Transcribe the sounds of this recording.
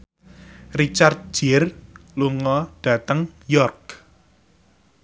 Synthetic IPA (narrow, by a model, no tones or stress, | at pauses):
rit͡ʃart̪̚d͡ʒ̥ɪrluŋɔɖ̥ä̤t̪əŋjɔrk